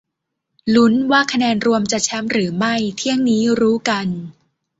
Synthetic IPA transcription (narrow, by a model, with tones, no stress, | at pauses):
lu˦˥nwaː˥˩kʰa˧nɛː˧nɾu˧əmt͡ɕa˨˩t͡ɕʰɛ˦˥mɾɯː˩˦ma˥˩jt̪ʰi˥˩əŋniː˦˥ɾuː˦˥ka˧n